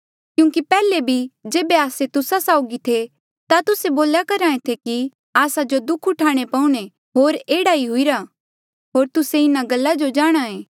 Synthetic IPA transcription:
kjũːŋkipɛːlebʱid͡ʒeːbeaːset̪ʊsasaːʊɡit̪ʰe | t̪at̪ʊseboːljakɐɾãːẽt̪ʰeki | aːsad͡ʒod̪ʊkʰʊʈʰaːɽ̃epaːũɽ̃e | ɦoːɾeːɽaiɦʊiɾa | ɦoːɾt̪ʊseɪnaɡɐlːad͡ʒod͡ʒaːɽ̃aːẽː

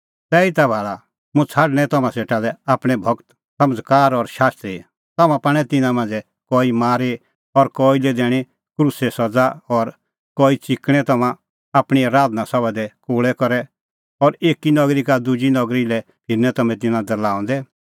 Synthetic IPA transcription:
t̪ɛːit̪abʱaːɭa | mũt͡sʰaːɽɽ̃ɛ̃t̪ɐmãseːʈalɛaːpɽ̃ɛbʱɐɡt̪ | sɐməd͡zkaːɾɔɾʃaːst̪ɾi | t̪ɐmãpaɽ̃ɛt̪ɪnãmãːnd͡zɛ | kɔːimaːɾe | ɔɾkɔilɛd̪ɛːɽ̃e | kɾusɛsɐd͡zaɔɾ | kɔːit͡sɪkɽ̃ɛ̃t̪ɐmã | aːpɽ̃iaɾaːd̪nasɔbad̪ɛkoːɭɛkɔɾɛ | ɔɾeːkinɔɡɾikad̪ʊd͡ʒinɔɡɾilɛ | pʰɪɾnɛt̪ɐmɛ̃t̪̬ɪnãd̪ɐlaːɔ̃nd̪ɛ

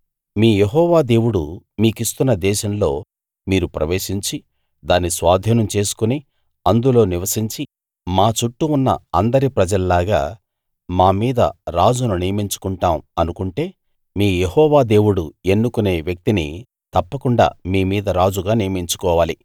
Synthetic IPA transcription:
miːjeɦɔːʋaːd̪e̞ːwuɽu | miːkist̪unːɐd̪ɛːʃɐmlo̞̰ː | miːɾupɾɐ̰ʋe̞ːʃiɲt͡ʃi | d̪aːnːisʋaːd̪ʱɐnɐmt͡ʃe̞ːsu̥kuni | ɐnd̪ulo̞ːniʋɐsiɲt͡ʃi | maːt͡ʃuʈːuunːɐ̰ɐnd̪ɐɾipɾɐd͡ʒɐlɐlaːɡa̰ː | maːmiːd̪ɐ̰ɾaːd͡ʒununijɐmiɲt͡ʃu̥kuɳʈaːmɐnukuɳʈe̞ː | miːjehɔːʋaːd̪e̞ːwuɽue̞nːukune̞ːʋjɐk̚t̪inḭ | t̪ɐpːɐkuɳɖa̰ːmiːmiːd̪ɐɾaːd͡ʒuɡaːnijɐmiɲt͡ʃu̥kɔːʋaːli

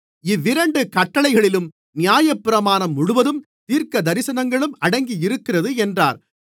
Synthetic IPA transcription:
ɪʋːɪɾɐɳɖɯkɐʈːɐɭɐɪɣɐɭɪlɯm | nɪjaːjɐpːɪɾɐmaːnɐmːʊɽʊʋɐðɯm | t̪iːɾkɐd̪ɐɾɪsɐnɐŋɡɐɭɯmɐɽɐŋɡijɪɾɯkːɪrɐðɯɛndra̰ːɾ

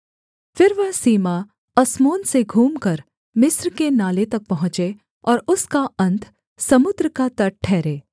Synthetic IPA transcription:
fɪɾʋɐɦsiːma | ɐsmoːnseɡʱuːmkɐɾ | mɪsɾkenaːlet̪ɐk̚pɐɦʊ̃t͡ʃe | ɔːɾʊskaɐ̃nt̪ʰ | sɐmʊd̪ɾəkat̪ɐʈ̚ʈʰːɛːɾeː

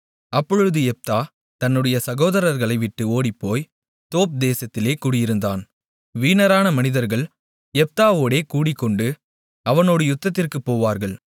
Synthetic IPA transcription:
ɐpːɔɻɯðɯɛp̚t̪aː | t̪ɐnːɯɽɐjɐsɐɣoːðɐɾɐɾɣɐɭɐɪʋɪʈːɯoːɽɪpːoːj | t̪oːp̚d̪eːsɐt̪ːɪleːkuːɽɪjɪɾɯnd̪aːn | ʋiːnɐɾaːnɐmɐnɪðɐɾɣɐɭ | ɛp̚t̪aːʋoːɽeːkuːɽɪkːɔɳɖɯ | ɐʋɐnoːɽɯjʊt̪ːɐt̪ːɪrkɯpːoːʋaːɾɣɐɭ

